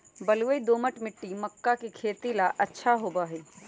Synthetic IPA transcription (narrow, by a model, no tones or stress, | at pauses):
bəlʋəid̪oːməʈmɪʈːiməkːakikʰeːt̪ilaʔɐtːʃʰaɦoːbaɦ